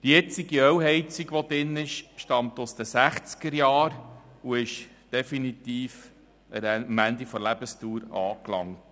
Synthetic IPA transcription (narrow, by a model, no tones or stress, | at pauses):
d̥ijɛt͡siɡiœwɦɛɪt͡siɡʋod̪ɪnːɪʃʃtɑmt̪ʊsd̥̪əsæχt͡skəɾjɑːɾuɪʃ | d̥ɛfinit̪iːf | əɾmænd̪ifɔɾlæb̥əstuːɾɑ̰ːklɑ̰ŋ